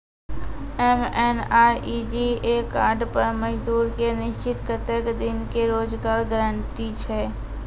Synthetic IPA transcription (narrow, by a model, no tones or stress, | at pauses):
ɛmɛnaːɾid͡ʒiekaːɾɖpəɾməd͡ʒd̪uːɾkenɪʃt͡ʃɪt̪kət̪əkd̪ɪnkeɾoːd͡ʒɡaːɾɡəɾəɳʈit͡ʃʰɛː